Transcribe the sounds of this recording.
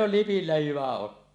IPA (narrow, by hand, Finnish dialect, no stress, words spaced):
oh lipilːæ hyʋæ otːoɑ